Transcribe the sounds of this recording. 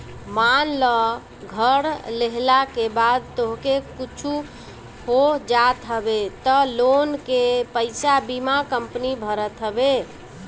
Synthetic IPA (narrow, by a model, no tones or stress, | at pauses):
manlə | ɡʱəɾleɦlakebad̪̚t̪oɦkekut͡ʃʰu | hod͡ʒat̪ɦəbet̪əlonkepəɪsabimakəmpnibʱəɾət̪ɦəbe